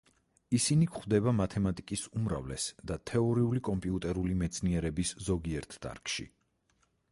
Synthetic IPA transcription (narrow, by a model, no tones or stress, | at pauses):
isinikχvd̪ɛbamat̪ʰɛmat̪ʼikʼisumɾa̰vlɛsd̪at̪ʰɛɔɾiulikʼɔmpʼiut̪ʼɛɾulimɛt̪sʰniɛɾɛbiszɔɡiɛɾt̪ʰd̪̥a̰ɾkʼʃḭ